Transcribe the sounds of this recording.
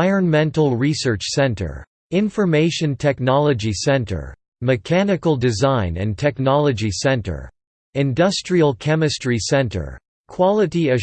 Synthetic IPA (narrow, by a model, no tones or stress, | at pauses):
ɪə˞nmɛ̃ntl̩ˠɹisɜ˞t͡ʃsɛ̃ntʰə̰˞ | ɪ̃ɱfə˞meɪʃɨ̃ntʰɛk̚nɑlˠəd͡ʒisɛ̃ntʰə̰˞ | mɨkʰænɨkl̩ˠdɨzãɪ̃nɨ̰̃ntʰɛknɑlˠɨd͡ʒisɛ̃ntə̰˞ | ɪ̃ndʌstɹ̥iəlˠkʰɛmɨstɹisɛ̃ntʰə̰˞ | kʰw̥ɑlˠəɾiɨ